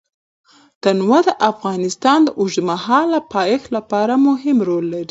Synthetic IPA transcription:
t̪anwad̪əʔafɣɑnɪst̪ɑnd̪əʔʊʒmahɑlːapɑjexlapɑɾamʊɦɪmɾolːaɾi

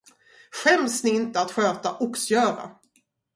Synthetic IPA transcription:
ɧɛmsnɪɪnt̪əat̪ɧøːt̪aʔʊksjœːɾa̰

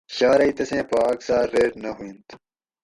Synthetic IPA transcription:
ɕaːɾɐit̪ɐsẽːpaːksaːɾːeːʈnɐɦuĩnt̪

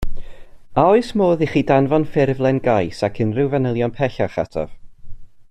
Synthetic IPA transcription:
aɔɨsmoːðiχiːdanvɔnfɪrvlˠɛnɡajsakʰənrɪwvanəlˠjɔnpʰɛɬaχa̰tʰɔ̰v̥

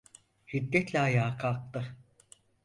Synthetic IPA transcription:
hid̪ːɛt̪lʲɛajaːkʰalˠk̚t̪ɯ

